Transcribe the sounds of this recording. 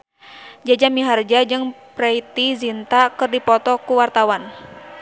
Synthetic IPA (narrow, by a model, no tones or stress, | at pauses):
d͡ʒad͡ʒamiɦard͡ʒad͡ʒɨŋpɾɛit̪izint̪akɨrdipɔt̪ɔkuwart̪awan